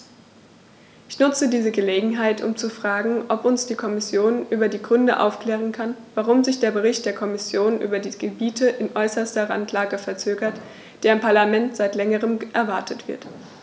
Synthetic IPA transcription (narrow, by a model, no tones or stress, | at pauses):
ʔɪçnʊt͡sədiːzəɡəleːɡŋ̩ɦaɪtʊ̰mt͡sufʁ̥aːɡŋ̩ʔɔpʊnsd̥iːkʰɔmɪsjoːnʔyːbɐdiːɡʁʏndəʔa̰ʊfkl̥ɛːʁ̞ənkʰanvaʁ̞ʊmzɪçd̥eːɐbəʁ̞ɪçt̚d̥eːɐkʰɔmɪsjoːnʔy̰ːbɐdiːɡəbiːtʰəʔɪnʔɔʏsɐstɐʁa̰ntʰlaːɡəfɛɐt͡søːɡɐt | d̥eːɐɪmpʰaɐlamɛntz̥aɪtlɛŋəʁ̞əmʔɛɐvaɐtʰətv̥ɪ̰ɐt